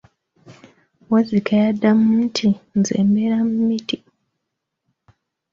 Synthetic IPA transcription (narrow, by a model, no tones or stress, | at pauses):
wazikajadamuːtʰinzḛːmbeɾamumiti